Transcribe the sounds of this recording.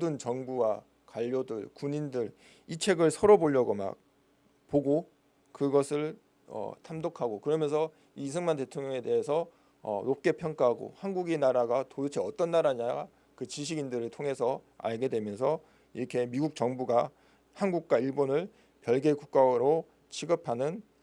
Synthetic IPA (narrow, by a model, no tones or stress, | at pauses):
odɯnt͡ɕʌŋbuwa | kwaʎːodɯɭkuɲindɯɾ | it͡ɕʰe̞ɡɯɭsʰʌɾʌboʎːʌɡoma̰k̚ | poɡo | kɯɡʌsʰɯɭ | ʌ̰tʰamdokʰaɡokɯɾʌmjʌnsʰʌ | iːsʰɯŋmante̞tʰoŋɲjʌŋe̞de̞ɦesʰʌ | ʌ̰nop̚k͈e̞pʰjʌŋk͈aɦaɡo̰hanɡuɡenaɾaɡatodut͡ɕʰeʌt͈ʌnːaɾaɲa | kɯt͡ɕiɕ̬ʰiɡindɯɾɯɭtʰoŋɦe̞sʰʌa̰ɭɡe̞dwe̞mjʌnsʰʌ | iɾʌkʰe̞miɡuk̚t͡ɕʌŋbuɡa | hanɡuk̚k͈waiɭbonɯɭ | pjʌɭɡe̞kuk̚k͈aɾo | t͡ɕʰiɡɯpʰanɯn